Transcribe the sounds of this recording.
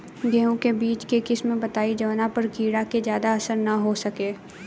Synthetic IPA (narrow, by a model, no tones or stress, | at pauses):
ɡeːũkebiːt͡ʃkekɪsmẽbɐt̪aːid͡ʒɐʋnapɐɾkiːɽakezjaːd̪aɐsəɾnɐɦosɐkeː